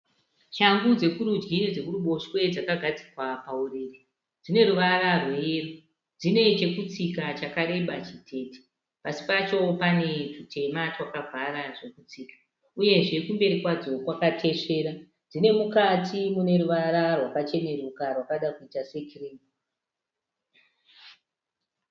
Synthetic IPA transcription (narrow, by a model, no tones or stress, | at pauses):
ʃaŋɡud͡ze̞kuɾud͡ʒɡinid͡ze̞kuɾuɓo̞ʃwe̞d͡zakaɡʱad͡zikwapaureːri | d͡zine̞ɾuʋararweːru | d͡zine̞t͡ʃe̞kut͡sikat͡ʃakaɾe̞ɓat͡ʃitʰe̞ːti̥ | pasi̥pat͡ʃo̞pane̞ʐutʰe̞mat͡ʃwakavʱaɾaʐe̞kut͡siːkḁ | uje̞ʐe̞kumbe̞ɾikwad͡zo̞kwakatʰe̞ʂe̞ːɾa | d͡zine̞mukatʰimune̞ɾuʋaɾarwakat͡ʃe̞ne̞rukarwakaɗakuitase̞kiriːm